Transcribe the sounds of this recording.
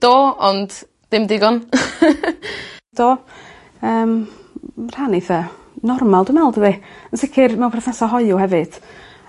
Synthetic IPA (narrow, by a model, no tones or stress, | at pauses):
d̥oːɔnd̥ː | ɪmdɪɡɔn | d̥ɔː | əːm | r̥aniθɛ | nɔrmalˠdumɛlˠdəviənsɪkʰɪrmɛw̃pʰrɔθnɛsɔɦɔɨʊhɛvɨd̥